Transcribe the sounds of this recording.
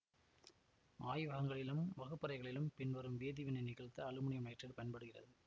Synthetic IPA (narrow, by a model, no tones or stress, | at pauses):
ʔaːjʋɐɣɐŋɡɐɭɪlɯmʋɐɣɯpːɐɾɐɪɣɐɭɪlɯmpɪnʋɐɾɯmʋeːðiʋɪnɐɪnɪɣɐɭt̪ːɐːɭɯmʊɳɪjɐmɐjʈrɪɽpɐjɐnpɐɽɯɣɪrɐ̰ðɯ